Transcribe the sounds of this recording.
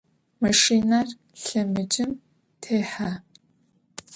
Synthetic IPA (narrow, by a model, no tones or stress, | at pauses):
mɐʃiːnar | ɬɐmɨd͡ʒʼɪm | tʰeːħa